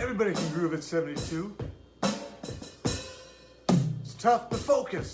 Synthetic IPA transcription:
ɛvɹibɑɾikʰɨ̃n̩ɡɹʉvɨtsɛvn̩titʰʉ | tstʰʌfwɨ̥foʊkɨs

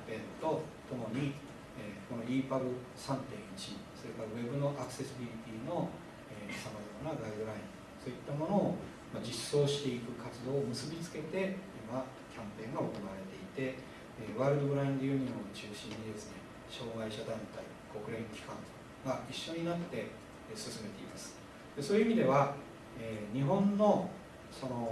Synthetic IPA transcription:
pẽ̞nt̪o̞t̪o̞mo̞ɲ̟i | eːko̞no̞iːpabɯ̟ | sãnt̪ẽ̞ɰ̃it͡ɕiso̞ɾe̞kaɾaβe̞bɯ̟no̞ʔakɯ̟̥se̞sɨbʲiɾʲit̪ʲiːno̞ | eːsamazaɾanaɡaɾd̪ɯɾaĩ | so̞ːit̪ːamo̞no̞ː | mad͡ʑisːo̞ːɕi̥t̪e̞ikɯ̟kat͡sɨd̪o̞ːmɯ̟sɨbʲit͡sɨ̥ke̞t̪e̞ima | kʲãmpẽ̞ŋɡao̞ko̞naβaɾe̞t̪e̞it̪e̞ | βaːɾɯ̟d̪o̞bɯ̟ɾaĩnd̪ejɯ̟ɲ̟iot͡ɕɨːɕĩɲ̟ːid̪e̞sɨne̞ | ɕo̞ːɡaiɕad̪ãnt̪ai | ko̞kɯ̟ɾẽ̞ŋkʲi̥kãn | ɡaiɕːo̞ɲ̟inat̪ːe̞ | sɨsɨme̞t̪e̞ḭma̰sɨ̥ | d̪̥e̞so̞ːjɯ̟imʲid̪e̞βa | eːɲ̟iɦõ̞nːo̞ | so̞no̞

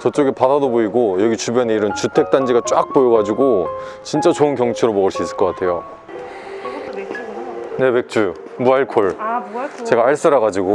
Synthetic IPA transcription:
t͡ɕʌt͡ɕ͈oɡepadadoboiɡojʌɡit͡ɕubjʌneiɾɯnt͡ɕutʰe̞k̚t͈and͡ʑiɡat͡ɕ͈ʼak̚p͈ojʌɡad͡ʑiɡo | t͡ɕint͡ɕ͈at͡ɕoɯnkjʌŋt͡ɕʰeɾomʌɡɯɭs͈uis͈ɯ̥ɭk͈ʌk͈atʰe̞jo | nebek̚t͡ɕ͈u | muaɭkʰoɭ | t͡ɕe̞ɡaːɭs͈aɾaɡad͡ʑiɡo

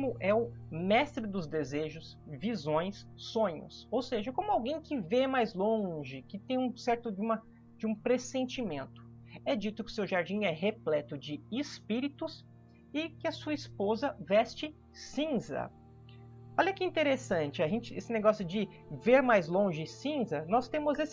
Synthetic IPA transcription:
mʊʔɛʊmɛst̪ɾɪd̪ʊzd̪ezeʒʊs | vizõj̃sːõɲʊ̰sowseʒɐkõmʊawɡẽj̃kɪvemajzlõʒɪkɪt̪ẽj̃ũsɛɾt̪ʊd͡ʒɪũmɐ | d͡ʒɪũpɾesẽnt͡ʃimẽnt̪ʊ̥ | ɛd͡ʒit̪ʊkɪʊ̥sewʒaɾd͡ʒĩɛɦeplɛt̪ʊd͡ʒɪɪspiɾit̪ʊs | ɪkɪɐsuɐispozɐvɛst͡ʃɪ | sĩzɐ̰ | ɔlʲɐkɪĩnt̪eɾesɐ̃nt͡ʃɪɐʒẽnt͡ʃɪesɪneɡɔsjʊd͡ʒɪ | veɾmajzlõʒɪsĩzɐnɔst̪ẽmʊzesɪ

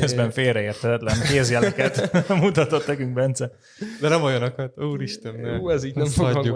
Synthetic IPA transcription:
ɛzbɛɱfeːrɾɛeːrt̪ʰɛt̪ɛt̪lɛnkeːzjɛlɛkɛt̪mut̪ɒt̪o̞t̪nɛkyŋkbɛnt̪sɛ | d̪ɛnɛmɒjonɒkɒt̪uːɾiʃt̪ɛnːeːɛziːɟnɛmfoɒːu

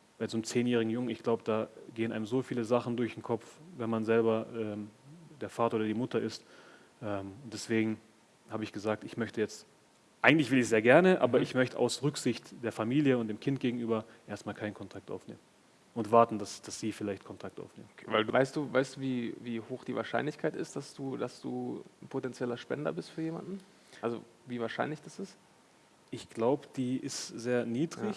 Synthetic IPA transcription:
b̥aɪzoːnəmt͡seːnjɛːʁɪɡŋ̩jʊŋənɪçɡ̥laʊbəd̥aːɡeːənʔaɪmzoːfiːləzaχn̩dʊɐçd̥enkʰɔp͡fvɛnmanzɛlbɐʔɛːmd̥eːɐfaːtɐoːdɐdiːmʊtʰɐʔɪst | ʔɛːmʊntd̥ɛsv̥eːɡŋ̩ | haːbəɪçɡ̥əzaːk̚tɪçmœçtəjɛt͡st | ʔaɪɡŋtlɪçv̥ɪlɪçz̥eːɐɡɛɐnəʔa̰ːbɐɪçmœçtəʔaʊsʁʏkz̥ɪçtd̥eːɐfamiːljəʊntd̥eːmkʰɪnt̚ɡ̥eːɡŋ̩ʔyːbɐ | ʔeːɐstmaːlkʰaɪnkʰɔntʰak̚tʔa̰ʊfnḛːmən | ʊntv̥aɐtn̩dasd̥asz̥iːfɪlaɪçtkʰɔntʰak̚ta̰ʊfnḛːmənːvaɪlduvaɪstd̥uːvaɪstd̥uːviːviːhoːxd̥iːva̰ːɐʃa̰ɪnlɪçkʰaɪtɪ̰std̥asd̥uːdasd̥ṵːnpʰotɛnt͡sjɛlɐʃpɛ̰ndɐ̰bɪstfyːɐjeːma̰ndn̩ | ʔalzo̰ | viːvaːɐʃaɪnlɪçd̥asɪst | ʔɪçɡ̥laʊbəd̥iːʔɪstz̥eːɐniːdʁɪç

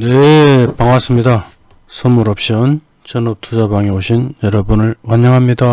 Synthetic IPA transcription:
nepaŋas͈ɯmɲida | sʰʌmuɾʌp̚ɕ͈iʌn | t͡ɕʌnʌp̚t͈ʰud͡ʑabaŋeoɕʰinjʌɾʌbunɯɭwaɲːʌŋɦamɲida

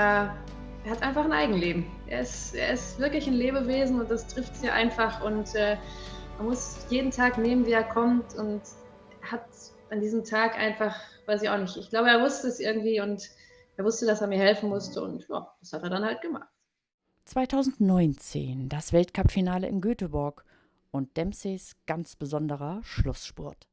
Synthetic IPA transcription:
ʔeːɐ | ʔeːɐhatʔaɪnfaχnʔaɪɡŋ̩leːbm̩ | ʔḛːɐɪstʔḛːɐɪstv̥ɪɐklɪçɪnleːbəveːzn̩ʊnt̚d̥astʁ̥ɪftsjaːʔa̰ɪnfaχʔʊntʔɛːmanmʊsjeːdn̩tʰaːkneːmənviːeːɐkʰɔmtʊnt | eɐhat | ʔandiːzəmtʰaːkʔa̰ɪnfaχv̥aɪsɪça̰ʊxnɪçtɪçɡ̥laʊbəeːɐvʊstəɛsʔɪɐɡŋ̩tv̥iːʊnt | ʔeːɐvʊstədaseːɐmiːɐhɛlfn̩mʊstəʊ̰ntja̰ːd̥ashateːɐɾanhalt̚ɡ̥əma̰χt | t͡sv̥aɪtʰaʊzn̩tnɔʏnt͡sḛːnd̥asv̥ɛltkʰapfinaːləɪ̰mɡøːtəbɔɐk | ʊnt̚d̥ɛmsesɡ̥ant͡sb̥əzɔndəʁɐʃlʊsʃpʊ̰ɐt

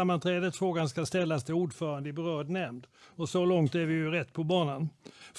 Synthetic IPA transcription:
amːant̪ʰɾɛːd̪ət̪fɾoːɡanskast̪ɛlːast̪ʰɪuːɖfœːɾand̪əɪbɛɾœːɖnɛmd̪ɔsɔlɔŋt̪æɾvɪjɵɾɛt̪ːpʰɔbɑːnanf

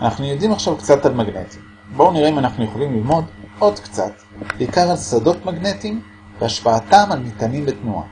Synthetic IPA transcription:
anaχnujo̞dimaχʃavkt͡satalmaɡne̞̰ti̥m | bouniʁeimanaχnujeχolimlilmo̞dʔo̞dkt͡sa̰t | beikaʁalsado̞tmaɡne̞tim | veaʃpaːtamalnitanimbetnua̰

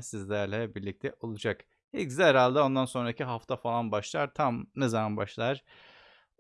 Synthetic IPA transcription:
sizlʲæɾlʲɛbiɾlʲic̚t̪ʰɛʔo̞lˠud͡ʒak | hɛkzɛɾalʲˠd̪ɛo̞nd̪anso̞nɾaciɦaft̪ʰafalˠanbaʃlˠaɾt̪ʰamnezamanbaʃlˠaɾ̥

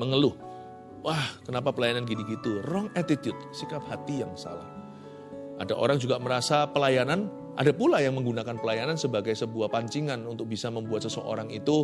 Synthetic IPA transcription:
məŋəlʊh | wahkənapapəlajananɡidiɡit̪urɔŋɛt̪it̪jʊt̪̚sikap̚hat̪ijaŋsa̰la̰h | ʔadaʔo̰ɾaŋd͡ʒuɡaməɾasapəlajanan | ʔa̰dapulajaŋməŋɡunakanpəlajanansəbaɡajsəbuahpaɲt͡ʃiŋanunt̪ʊk̚bisaməmbuat̪̚səsəʔo̰ɾaŋit̪u

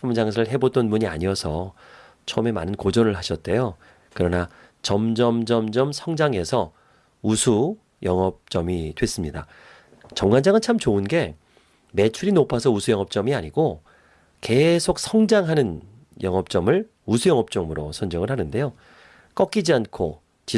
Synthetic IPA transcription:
ɯmud͡ʑaŋs̬ʰɯɭɦe̞bot͈ʌnbuɲia̰ɲiʌsʰʌ | t͡ɕʰʌʌme̞manɯnkod͡ʑʌnɯɭɦaɕʰʌt̚t͈e̞jo | kɯɾʌna | t͡ɕʌmd͡ʑʌmd͡ʑʌmd͡ʑʌmsʰʌŋd͡ʑaŋe̞sʰʌ | usʰu | jʌŋʌp̚t͡ɕ͈ʌmidwe̞s͈ɯmɲida̰ | t͡ɕʌmɡand͡ʑaŋɯnt͡ɕʰamt͡ɕoɯnɡe̞ | me̞t͡ɕʰuɾinopʰasʰʌusʰujʌŋʌp̚t͡ɕ͈ʌmiaɲiɡo | ke̞sʰok̚sʰʌŋd͡ʑaŋɦanɯn | jʌŋʌp̚t͡ɕ͈ʌmɯɭ | usʰujʌŋʌp̚t͡ɕ͈ʌmɯɾosʰʌnd͡ʑʌŋɯɭhanɯnde̞jo | k͈ʌk͈id͡ʑiankʰo | t͡ɕi

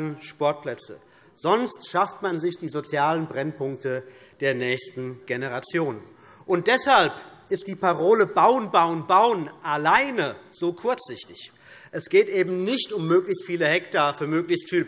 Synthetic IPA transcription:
nʃpɔɐt̚plɛt͡sə̰ | z̥ɔnstʃaftmanzɪçd̥iːzot͡sjaːlənbʁɛnpʰʊŋk̚tə | d̥eːɐnɛːçstn̩ɡ̥enəʁat͡sjoːn | ʔʊnt̚d̥ɛshalpʔɪst̚d̥iːpʰaʁoːləbaʊənbaʊənbaʊənʔalaɪnəz̥oːkʰʊɐt͡sz̥ɪçtɪç | ʔɛsɡ̥eːtʔeːbm̩nɪçtʊmːøːklɪçstfiːləhɛktaːɐfyːɐmøːklɪçstfiːl

